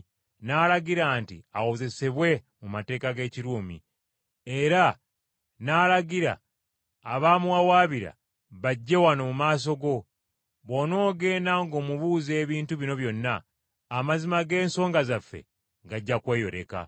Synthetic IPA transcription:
naːlaɡiɾaːntḭawoze̞se̞βwe̞ | mumate̞ːkaɡe̞ːciɾuːmḭ | e̞ɾa | naːlaɡiɾa̰ː | βaːmuwawaːβiɾa̰ | βaɟːe̞wanomumaːs̬o̞ɡo̞ | βo̞no̞ːɡe̞ːnaŋɡo̞ːmuβuːzeːβiːntuβino̞βjo̞nːaː | mazimaɡe̞ːnso̞ːŋɡazafːe̞̰ | ɡaɟːakwe̞ːjo̞̰ɾe̞̰ka̰

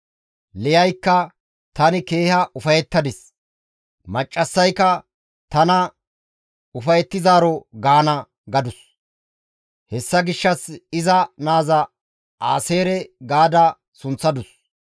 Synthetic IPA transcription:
lɛjɐjkːɐ | t̪ɐnɪke̞ːhɐʔʊfɐjɛt̪ːɐd̪ɪs | mɐt͡ʃʼːɐsːɐjkːɐ | t̪ɐnɐ | ʊfɐjɛt̪ːɪzaːɾɔɡaːnɐ | ɡɐd̪ʊs | hɛsːɐɡɪʃːɐsɪzɐnaːzɐ | a̰ːse̞ːɾɛɡaːd̪ɐ | sʊnt͡sːɐd̪ʊs

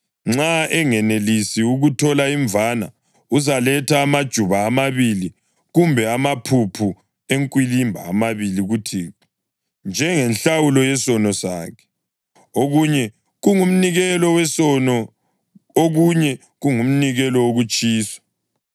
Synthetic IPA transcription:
ŋ͡ǁaʔɛŋɛnelisiuɣutʰɔlaiɱvana̰ | uzalɛtʰaːmad̥ʒ̥ʱuβaːmaβili | ɣumbʱɛamapʰupʰu | eŋkʼwilimbʱa̰ːmaβiliɣutʰi | nd͡ʒʱɛŋɛnɬawulɔjɛsɔnɔsaːkʰɛ̥ | oɣuɲɛ | ɣuŋum̩niɣɛlɔwɛsɔnɔ | oɣuɲɛ | ɣuŋum̩niɣɛlɔoɣut͡ʃʼiːsḁ

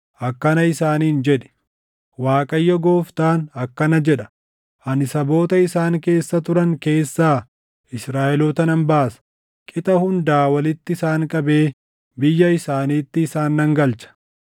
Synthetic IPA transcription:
ʔɐkːɐnɐɪsaːniːnd͡ʒɛᶑɪ̥ | waːkʼɐjːɔɡo̞ːft̪aːnɐkːɐnɐd͡ʒɛᶑɐ̥ | ʔɐnɪsɐbo̞ːt̪ɐɪsaːŋke̞ːsːɐt̪ʊɾɐŋke̞ːsːaː | ɪsɾaːʔɛlɔːt̪ɐnɐmbaːsɐ̥ | kʼɪt̪ʼɐhʊnd̪aːwɐlɪt̪ːɪɪsaːŋkʼɐbe̞ː | bɪjːɐɪsaːniːt̪ːɪːsaːnːɐŋɡɐlt͡ʃɐ̥

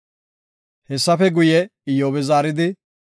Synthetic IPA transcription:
hɛsːɐfɛɡʊjɛɪjoːbɛzaːɾɪd̪ɪ

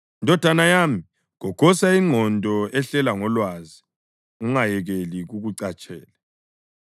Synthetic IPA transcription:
ndʱɔd̥ʱanajaːmi | ɣɔkʰɔsaiŋ͡ǀʱɔndʱɔɛɬɛlaŋɔlwazi | uŋajɛɣeliɣuɣuǀat͡ʃʼɛ̰ːla

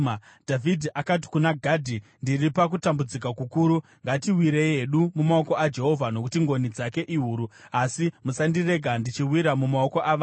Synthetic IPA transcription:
d̥ʱavʱidʱiʔakat̬i̥kunaɡʱadʱindiripak̬utambud͡zik̬akukuːɾu | ŋɡatiwiɾeieɗumumaoko̞ad͡ʒe̞ɦo̞vʱano̞kutiŋɡo̞nid͡zake̞ʔiɦuːɾuasimusandire̞ɡʱandit͡ʃiwiɾamumaoko̞ʔaʋa

